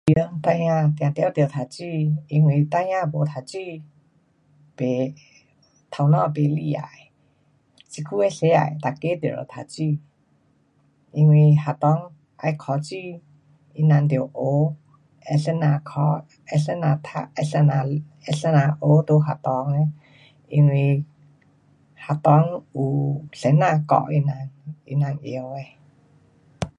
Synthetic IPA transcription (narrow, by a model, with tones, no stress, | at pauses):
i˧ə˧˦ŋpa˧jã˧t̪i˨ã˨t̪e˧˦t̪e˨t̪ʰa˨t͡ɕi˧i˧ŋwe˧t̪a˧jã˧bo˨t̪ʰa˧t͡ɕi˧ | pe˨ | t̪ʰa˧wnɔ̃˧pe˧˨li˧a̰˨j | t͡ʃi˧kʰu˦ɛ˧ɬe˧˦a̰˨jt̪a˧˨ke˦d̪ḛ˨ɾə̰˨t̪ʰa˧˨t͡ɕi˧ | i˧ŋwe˧ha˨t̪ɔ˧˦ŋ | a̰˧jkʰɔ˧t͡ɕi˧ | i˧na˧nt̪i˨o˨ʔo˨˧˦ | ɛ˧ɬɛ˦na˧kʰɔ˧˦ | ɛ˧ɬɛ˧˦na˧t̪ʰa̰˧ɛ˧ɬɛ˧na˧ | ɛ˧ɬɛ˧˦na˧ʔo˨˦t̪o˧ɦa˧˨t̪ɔ˧ŋe˧ | i˧ŋwi˧ | ha˧t̪ɔ˧˦ŋu˧ɬe˨˦na˧kɔ̰˧˨ʔi˧na˧nḭ˧na˧nʔḭ˧ə˧we˧